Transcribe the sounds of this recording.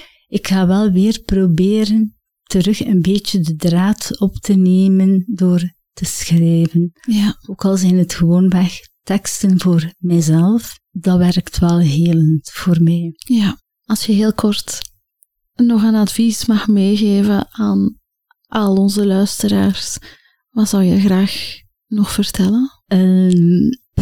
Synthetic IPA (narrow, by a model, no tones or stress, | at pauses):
ɪkxaːʋɛlˠʋɪːrprobeːɾən | təɾɵxənbeːtədədraːtɔptəneːməndoːr | təsxrɛːvənjaoːkɑlˠzɛjnətxəʋoːnʋɛx | tɛkstənvoːrmɛjzɛlˠf | d̥ɑʋɛrktʋɛlˠɦeːləntv̥oːrmɛjja | ɑlˠsjəɦeːlˠkʰɔrt | nɔxənɑtvismɑxmeːɣeːvənaːn | ʔɑlˠɔnzəlœɥstəɾaːrs | ʋɑtz̥ɑwjəɣraːx | nɔxfərtʰɛlən | əm